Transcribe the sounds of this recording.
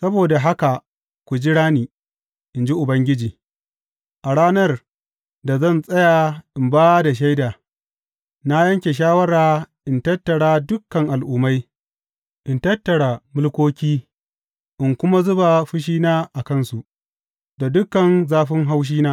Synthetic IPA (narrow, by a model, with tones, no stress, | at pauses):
sɐ˦boː˨da˨ɦa˦ka˨ | kʷu˨d͡ʒi˦ɽaː˦niː˨ | ʔɪ˨nd͡ʒi˦ʔʊ˨bɐ˦ŋɡʲɪ˦d͡ʒiː˨ | ʔa˨ɽaː˦nɐ˦r | da˨zɐ˦˨nsʼɐ˦ja˨ʔɪ˨mbaː˦da˨ʃ̬ɐ˦jdaː˨ | na˦jɐ˦ŋkʲe˨ʃaː˦wɐ˦ɽaː˨ʔɪ˨ntɐ˦tːɐ˨ɽaː˦dʊ˦kːɐ˨ŋʔa˨lʔʊː˨ma˦j | ʔɪ˨ntɐ˦tːɐ˨ɽa˨mʊ˦lkʷoː˦kʲiː˦ | ʔɪ˨ŋkʷʊ˦ma˦zʊ˦ba˨ɸɪ˦ʃ̬iː˦naː˦ʔa˨kɐ˦nsu˨ʔ | da˨dʊ˦kːɐ˨nzaː˦ɸɪ˦ŋɦa˦wʃ̬iː˦naː˦